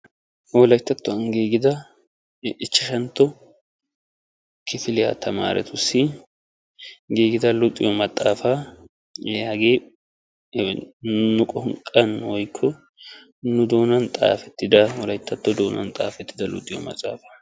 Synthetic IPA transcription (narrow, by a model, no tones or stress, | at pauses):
wɔlɐjɪt̪ːɐt̪ːɔɐŋɡeːɡɪd̪ɐ | ɪt͡ʃːɪʃɛnt̪ːɔ | kʰɪfɪlɪja̰t̪ʰɐma̰ːɾɛ̰t̪ʰʊsɪ | ɡeːɡɪd̪ɐlʊt̪ʼːɪ̰jɔmɐt̪ʼːaːfa | ɛaɡeː | nʊkʼɔŋkʼɐnːwɔjkʰːɔ | nʊd̪o̞ːnɐnt̪ʼa̰ːfɛt̪ːɪd̪ɐwɔlɐjt̪ːɐt̪ːɔd̪oːnɐ̰nt̪ʼa̰ːfɛt̪ːɪd̪ɐlʊ̰t̪ʼːɪjɔ̰mɐ̰t̪ʼːa̰ːfɐ̥